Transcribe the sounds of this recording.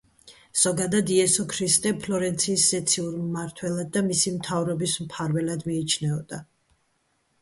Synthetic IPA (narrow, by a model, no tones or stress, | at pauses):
z̥ɔɡad̪ad̪iɛsɔkʰɾist̪ʼɛpʰlɔɾɛnt̪sʰiːsːɛt̪sʰiuɾmːaɾt̪ʰwɛlˠad̪ːamisimt̪ʰavɾɔbismpʰaɾvɛlad̪miːt͡ʃʰnɛɔd̪a